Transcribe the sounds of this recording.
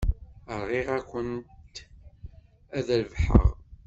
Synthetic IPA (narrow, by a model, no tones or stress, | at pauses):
əɾˤʁiʁækʷənt̪ | æðælvħə̰ʁ